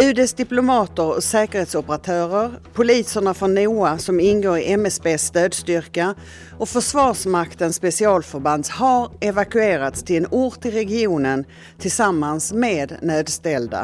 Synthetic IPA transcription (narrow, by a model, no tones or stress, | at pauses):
ʉ̟ːd̪ɛsd̪ɪplʊmɑːt̪əɾɔ̰sɛːkəɾheːt̪sɔpəɾat̪ʰœːɾəɾpʰʊliːsəɳafɾɔnːuːasɔmɪnɡoːɾɪʔɛmɛsbeːsːt̪øːd̪st̪ʏɾka | ɔfœʂvɑːʂmakt̪ənspɛsɪɑːlfœɾband̪haɾɛvakɵeːɾat̪st̪ʰɪlɛnuːʈt̪ːɪlɾɛɡɪuːnən | t̪ʰɪlsamːansmeːd̪nøːd̪st̪ɛld̪a̰